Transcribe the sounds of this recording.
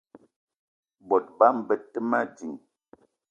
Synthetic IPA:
bɔ˨t̚ba˦m˨bə˦tːə˦ma˦d͡ʒi˨ŋ

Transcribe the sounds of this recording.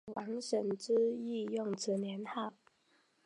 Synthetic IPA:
wa˧˥ŋʂə˨˩nʈ͡ʂ̩˥i˥˧jʊ˥˨ŋt͡s̩ʰ˨˥njɛ˧˥nha˥˩ʊ

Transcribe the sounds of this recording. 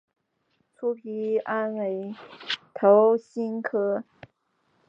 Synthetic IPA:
t͡sʰu˥pʰi˧˥a˥nwe˧˥ɪt̪ʰo˧˥ʊɕi˥nkʰɤ˥

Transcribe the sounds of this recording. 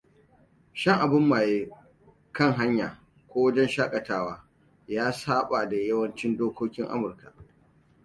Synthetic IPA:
ʃɐ˦ŋʔa˨bʊ˦mːaː˨jeː˦ | kɐ˦ŋɦa˦ɲjaː˨ | kʷoː˦wɐ˦d͡ʒɛ˦nʃaː˦kʼɐ˨taː˦waː˦ | jaː˦saː˦ɓa˨da˨jɐ˦wɐ˦nt͡ʃɪ˦ndoː˦kʷoː˦kʲɪ˦ŋʔa̰˦mʊ˨rka˨

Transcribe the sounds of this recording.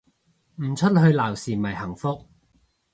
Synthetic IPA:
m̩ː˨˩t͡ʃʰɵ˥t̚ɦɵ˧ɥlaː˨˩wsiː˨mɐ˨˩jhɐ˨˩ŋfʊ˥k̚

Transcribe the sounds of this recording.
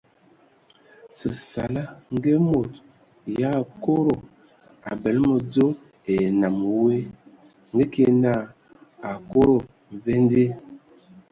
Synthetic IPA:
sə˨sa˨la˦ŋ˦ɡe˦mo˨t | ja˦˨ko˦ɾo˨ | a˨bɛ˨˦lmə˨d͡zo˦ | e˨na˨m˨we˦ | ŋɡe˦ke˦na˦˨ | a˨ko˦ɾo˨ | m˨ve˦n˦de˦

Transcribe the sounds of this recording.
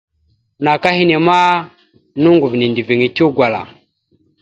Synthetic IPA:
na˨ka˦hi˦ne˨ma˦ | nu˦ŋɡu˨vi˨ni˨ndi˨vi˨ŋi˨tu˦ɡwa˨la̰˨

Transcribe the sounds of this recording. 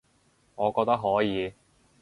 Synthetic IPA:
ŋɔː˨˧kɔː˧k̚t̪ɐ˥k̚ɦɔː˨˥jiː˨˧

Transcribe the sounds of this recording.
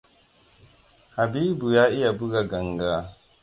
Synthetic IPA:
ha˨bi˦bu˨ja˦i˦ja˨bu˦ɡa˨ɡa˨ŋɡa˦˨

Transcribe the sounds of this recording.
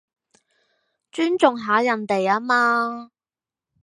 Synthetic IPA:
t͡ʃyː˥nt͡sʊ˨ŋɦaː˨˥jɐ˨˩nt̪e˨jaː˥maː˥

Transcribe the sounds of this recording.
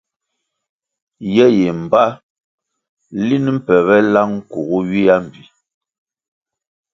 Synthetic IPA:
jɛ˦je˨m̩˨ba˦ | li˦n˦m̩˦pɛ˨βɛ˦la˦ŋ̩˦ku˨ɣu˦ɥi˦a˦m̩˨bi˨

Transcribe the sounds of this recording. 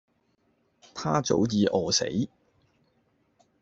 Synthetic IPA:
t̪ʰaː˥t͡so̰˨˥wjiː˧ʔɔː˨sḛ˨˥j

